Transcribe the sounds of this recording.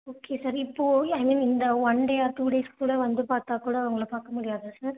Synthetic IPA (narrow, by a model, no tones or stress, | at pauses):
oːkʰeːsɐɾɪpːoːɐɪmĩːnɪnd̪ɐʋɐɳɖeaːɾʈ̪uːɽeːskuːɽɐʋɐnd̪ɯpaːɾt̪aːkuːɽɐʋɐŋɡɐɭpaːɾkɐmʊɽɪjaːðɯsɐɾ